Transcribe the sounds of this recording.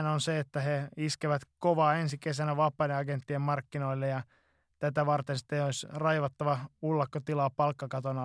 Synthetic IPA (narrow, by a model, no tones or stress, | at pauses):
nonseet̪ːæheiskeʋæt̪koʋɑːensikesænæʋɑpːɑneɑɡent̪ːiemmɑrkːino̞ilːejɑ | t̪æt̪æʋɑrt̪ensi̥t̪ːeoisʲrɑjʋɑt̪ːɑʋɑulːɑkːot̪ilɑːpɑlkːɑkɑt̪onɑ